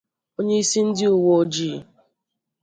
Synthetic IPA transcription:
o˦ɲe˦i˦si˦n̩˦dɪ˦u˨wo˦d͡ʒi˨

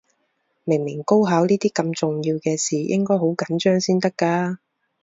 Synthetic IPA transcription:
mɪ˨˩ŋmɪ˨˩ŋko˥wɦaː˨˥wniː˥t̪iː˥kɐ˧mt͡sʊ˨ŋjiː˧wkɛː˧siː˨jʔɪ̰˥ŋkɔː˥jɦo˨˥wkɐ˨˥nt͡ʃœː˥ŋsiː˥nt̪ɐ˥kːaː˧

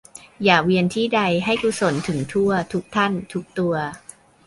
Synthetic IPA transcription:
jaː˨˩k̚wi˧ənt̪ʰiː˥˩da˧jɦa˥˩jku˧so˨˩˦nt̪ʰɯ˩˦ŋt̪ʰu˥˩ɐt̪ʰu˦˥k̚t̪ʰa˥˩nt̪ʰu˦˥k̚t̪u˧ɐ

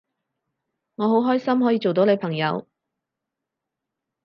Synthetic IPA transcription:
ŋɔː˨˧ɦo˨˥wɦɔː˥jsɐ˥mhɔ˨˥jiː˧t͡ʃo˨wt̪o˨˥wle˨˧jpʰɐ˨˩ŋjɐ˨˧w

